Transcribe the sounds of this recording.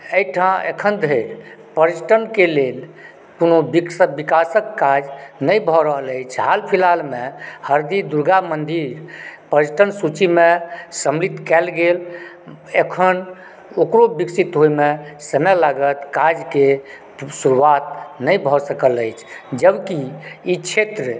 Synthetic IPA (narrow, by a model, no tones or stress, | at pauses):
əjʈʰãḛkʰənd̪ʱəjɾ | pəɾisʈənkelel | konobiksəbikasəkːad͡ʒnəjbʱɔɾəɦələjt͡ʃʰɦalpʰilalmehəɾd̪id̪uɾɡamənd̪iɾpəɾisʈʰənsut͡ʃimesəmlit̪kɛlɡel | ekʰən | okɾobiksit̪ɦojmesəmɛlaɡət̪kad͡ʒke | suɾuat̪nəjbʱɔsəkələjt͡ʃʰd͡ʒəbkiit͡ʃʰet̪ɾə